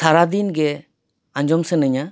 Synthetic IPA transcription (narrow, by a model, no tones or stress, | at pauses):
sʰaɾad̪inɡe | aɲd͡ʒɔmsənɯɲa